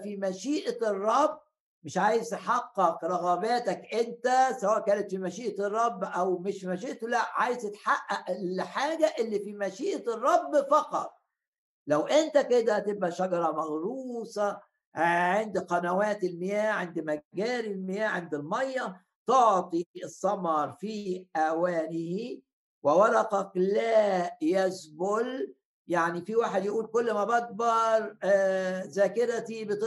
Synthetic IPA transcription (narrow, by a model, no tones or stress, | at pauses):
fimæʃiːʔrˤːɑbː | mɪʃʕaːjezt̪eħɑqːɑqɾˤɑɣɑbæːt̪ækʔent̪æsæwæːʔkæːnet̪fimæʃiːʔt̪rˤːɑbːʔæwmeʃmæʃiːʔt̪olæʔʕaːjezt̪et̪ħaʔæʔlħaːɡæʔelːiːfimæʃiːʔ̪rˤːɑbːfɑqɑ̰t̪ˤ | læwʔent̪æked̪æt̪ebʔæʃæɡɑɾˤɑmæɣɾuːsˤɑ | ʕend̪qɑnæwæːt̪ɪlmɪjæːʕend̪mæɡæːɾilmɪjæːʕend̪ɪlmɑjːɑ | t̪oʕt̪ˤisˤːɑmɑɾˤfiːʔæwæːnɪhi | wɪwɑɾˤɑqɑklæːjæsbʊl | jaʕnifiwaːħed̪jɪʔuːlkolːmæbɑɡ̚bɑɾˤ | zæːkɪɾæt̪ibɪt̪